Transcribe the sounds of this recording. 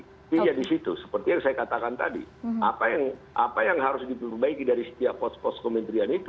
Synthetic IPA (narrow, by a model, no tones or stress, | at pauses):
t̪id͡ʒadisit̪usə̥pərt̪ijaŋsajakat̪akant̪a̰dḭapajaŋʔa̰pajaŋɦaɾʊsdipərbaikidaɾisə̥t̪iapɔspɔskomɛnt̪ɾianit̪u